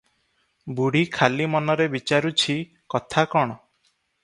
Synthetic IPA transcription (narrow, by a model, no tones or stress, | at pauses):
buɽ̤ikʰalimɔnɔɾebit͡ʃaɾut͡ʃʰi | kɔt̪ʰakɔɽ̃ɔ